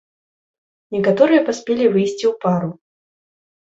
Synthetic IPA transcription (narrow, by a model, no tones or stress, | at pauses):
nʲɛkat̪ɔɾɨjɐpasʲpʲelʲivɨjsʲt͡sʲiwpaɾu